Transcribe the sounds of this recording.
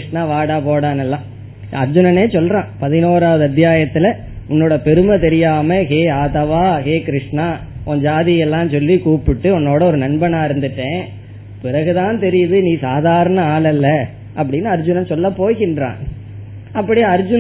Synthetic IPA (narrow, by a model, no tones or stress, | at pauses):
ʂnaːʋaːɽaːpoːɽaːnɛlːãː | ɐɾd͡ʒʊnɐneːsɔlɾãːpɐðɪnoːɾaːʋɐðɯɐt̪ːjaːjɐt̪ːɪlɐ | ʊnːoːɽɐpɛɾɯmɐt̪ɛɾɪjaːmɐɦeːaːt̪ɐʋaːɦeːkɪɾɪʂɳaː | ʔɔ̃ɲd͡ʒaːðɪjɛlːãːnsɔlːikuːpɪʈːɯɔnːoːɽɐɔɾɯnɐnbɐnaːɪɾɯnd̪ɯʈːẽː | pɪɾɐɣɯt̪ãːnt̪ɛɾɪjɐðɯnĩːsaːðaːɾɐnɐaːlɛlːɐ | ʔɐp̬ːɐɽɪnːɯɐɾd͡ʒʊnɐnsɔlːɐpoːɣɪndɾã̰ː | ɐpːɐɽɪjaɐɾd͡ʒʊ